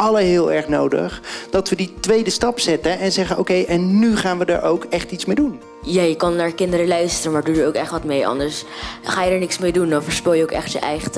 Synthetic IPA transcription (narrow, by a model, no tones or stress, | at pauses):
ɑləɦɪːlˠɛɹχnowdə̰χd̥ɑtʋəditʋejdəstɑpsɛtəʔɛnzɛχəno̰wkejʔɛnːyχaːnʋədə̰ɹʔowkɛχtitsmejdun | jaːjəkɑnːaːɹkɪndəɾəlœɥstərəmaːdudəɹowkɛχtʋɑtmejʔɑ̰ndəɹsχaːjədəːɹnɪksmejdundɔɑnfəɹspɪlˠjəoʊkɛ̰χtjə̰ʔɛ̰jχt